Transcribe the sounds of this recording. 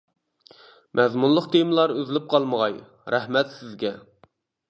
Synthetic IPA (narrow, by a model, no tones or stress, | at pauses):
mʔɛzmunlˠəqt̪ʰemɨlˠɑɾøzlɪp̚qʰɑlˠməʁɑj | ɾæhmɛt̪sɪzɡʲɛ